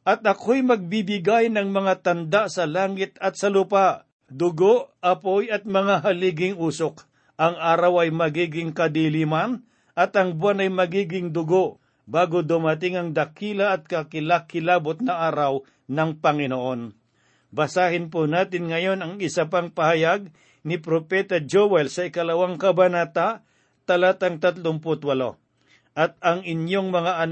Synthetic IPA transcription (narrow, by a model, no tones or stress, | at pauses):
ʔɐt̪̚ɐkʰojmɐɡ̚bibɪɡajnɐŋmɐŋat̪ɐnd̪aʔsɐlaːŋɪt̪ɐt̪̚sɐlʊpaʔ | d̪ʊɡoʔɐpo̞jɐt̪̚mɐŋaɦɐliːɡɪŋuːsok̚ | ʔɐŋaːɾɐwɐjmɐɡiːɡɪŋkɐd̪iliːmɐn | ʔɐt̪ɐŋbwanɐjmɐɡiːɡɪŋd̪ʊɡo̞ʔ | baːɡod̪ʊmɐt̪ɪŋɐŋd̪ɐkʰiːlɐːt̪̚kɐkɪlakɪlaːbot̪̚nɐʔaːɾɐw | nɐŋpɐŋɪnoʔo̞n | bɐsaːhɪnponaːt̪ɪnŋɐjo̞nɐŋɪsɐpaŋpɐhɐjaɡ̚ | nɪpɾopɛt̪ɐd͡ʒowɛlsɐɪkɐlɐwaŋkɐbɐnat̪aʔ | t̪ɐlaːt̪ɐŋt̪at̪loŋpʊt̪wɐlo | ʔɐt̪̚ɐŋɪnjoŋmɐŋaʔɐn